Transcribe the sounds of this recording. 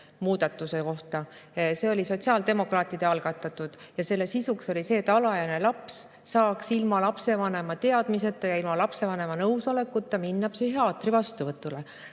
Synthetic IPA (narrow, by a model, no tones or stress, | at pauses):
muːd̪̥ɑt̪ːˑuse̞ko̞ht̪ɑse̞o̞lʲiso̞tʲsiɑld̪̥e̞mo̞krɑːt̪ːˑid̪̥eɑlɡ̥ɑt̪ːˑɑt̪ːˑud̪̥jɑse̞lːesisukso̞lʲise̞ːt̪ːˑɑlɑjɑne̞lɑps | sɑːksilmɑlɑpse̞vɑne̞mɑt̪e̞ɑd̪̥mise̞t̪ːˑɑjɑilmɑlɑpse̞vɑne̞mɑnɤwso̞le̞kːˑut̪ːˑɑminːɑb̥seɦeɑːt̪ːrivɑst̪uvɤt̪ːˑule̞